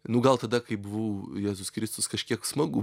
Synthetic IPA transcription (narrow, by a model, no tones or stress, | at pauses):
nʊɡɐlˠt̪ɐd̪ɐkɐɪbʊʋɐʊjæːzʊskɾʲɪst̪ʊskɐʃʲkʲiɛksmɐɡʊ